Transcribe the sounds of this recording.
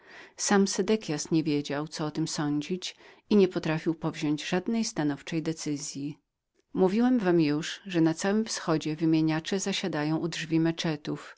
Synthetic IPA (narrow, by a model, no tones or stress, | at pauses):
samsɛd̪ɛkʲjasɲɛvʲjed͡ʑawt̪sɔɔt̪ɘmsɔɲd͡ʑit͡ɕ | iɲɛpɔt̪ɾafʲiwpɔvʑɔɲd͡ʑʐad̪nɛjst̪anɔft͡ʂɛjd̪ɛt̪sɘzʲji | muvʲiwɛmvamjuʂʐɛnat̪sawɘmfsxɔd͡ʑɛvɘmʲjeɲat͡ʂɛzaɕad̪ajɔ̃w̃ʔudʐvʲimɛt͡ʂɛt̪uf